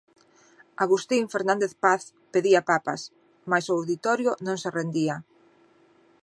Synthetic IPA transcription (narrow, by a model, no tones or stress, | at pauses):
aɣust̪iɱfeɾnãnd̪eθpaθ | peðiapapa̰s | majsʊawðit̪ɔɾjʊnõŋserend̪ia